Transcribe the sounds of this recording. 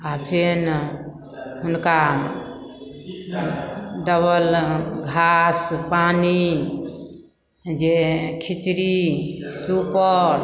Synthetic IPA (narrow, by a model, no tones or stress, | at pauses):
apʰin | ɦunka | ɖəβəlɡʱaspani | d͡ʒekʰit͡ʃɾisupəɾ